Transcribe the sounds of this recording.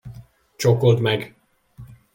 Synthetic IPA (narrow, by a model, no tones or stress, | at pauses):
t͡ʃokolt̪mɛɡ